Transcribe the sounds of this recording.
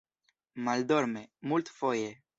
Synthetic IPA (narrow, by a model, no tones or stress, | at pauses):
mald̪oɾmemult̪foje